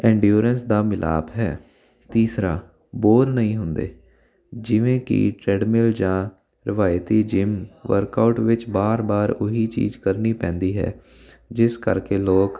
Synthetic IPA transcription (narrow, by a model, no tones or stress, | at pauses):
ɛ̃ːɳɖjuːɾənsd̪aːmɪlʔa̰ːbɦɛː | t̪iːsɾaː | boːɾnəɦĩːɦʊnd̪ḛː | d͡ʒɪʋẽːkḭʈɾɛːɖmɪld͡ʒãː | ɾɪʋaːjt̪iːd͡ʒɪmʋə̰ɾkaʊʈʋɪt͡ʃbaːɾbaːɾʊɦiːt͡ʃḭːd͡ʒkəɾniːpɛ̃ːnd̪iːɦɛ̰ː | d͡ʒɪskə̰ɾkeːloːk